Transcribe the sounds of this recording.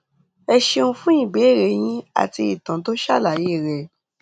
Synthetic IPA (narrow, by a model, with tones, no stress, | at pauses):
ɛ˧ʃe˧ũ˦fũ˦ĩ˦˨be˨˦˨ɾe˨˦j̃ĩ˦a̰˦˨ti˧i˨tã˨to˦ʃa̰˦˨la˨je˦˨ɾɛ˨